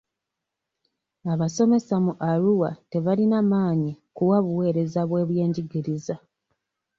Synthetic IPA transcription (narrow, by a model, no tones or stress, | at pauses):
aβaso̞me̞samuʔaɾuwa̰te̞βalinamaːɲikuwaβuwe̞ːɾe̞zaβwe̞ːβje̞ːɲɟiɡiɾiza